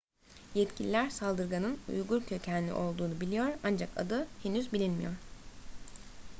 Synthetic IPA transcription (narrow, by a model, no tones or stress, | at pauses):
jɛt̪cʰilʲilʲæɾsalˠd̪ɯɾɡanɯnṵjɡuɾcʰø̞cʰænʲlʲḭʔo̞lˠd̪uːnubilʲijo̞ɾand͡ʒaka̰d̪ɯhenyzbilʲinmijo̞ɾ̥